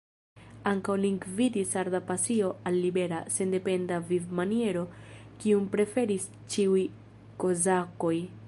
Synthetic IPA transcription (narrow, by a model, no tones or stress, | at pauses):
aŋkawliŋɡvidisaɾdapasio̞ʔalːibe̞ɾase̞nde̞pe̞ndavivmanie̞ɾo̞kiumpɾe̞fe̞ɾis | t͡ʃiuj | ko̞zako̞j